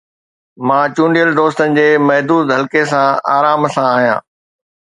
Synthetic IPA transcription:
mãːt͡ɕũːɳɖijəld̪oːst̪ənɪ̆d͡ʑeːmɐɦd̪uːd̪ɦɐlkesãaːɾaːmsãaːɦijã̰ː

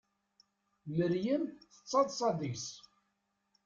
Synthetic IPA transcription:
məɾjənθə̥t͡sːɑðˤsˤɑðis

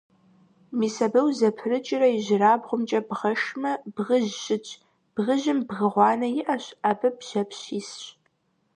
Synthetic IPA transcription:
miːsɐbɐwzɐpʰɨrɨt͡ʃʼɪrɐjɪʒɪraːbʁʷʊmt͡ʃʼɐbʁɐʃmɐbʁəʒːɪt͡ʃʼ | b̥ʁəʒɪmbɣɨʁʷɑːnɐjɪʔɐɕaːbɐbʒ̥ɐpɕiːsɕ

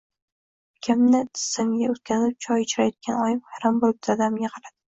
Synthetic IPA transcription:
kʲʰamnɪt̪ʰɪ̥sɪmɡʲaʊt̪̚kʲʰazɪp̚t͡ʃʰɒjɪt͡ʃʰɾajɒd̪̚kʲanɒjɪmhaɾambolˠɪp̚t̪ʰaad̪amɡʲaqʰɑɾad̪̥ɪ

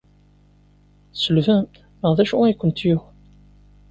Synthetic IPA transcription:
səlvəm | məʁðæʃuækʷːənt̪ju

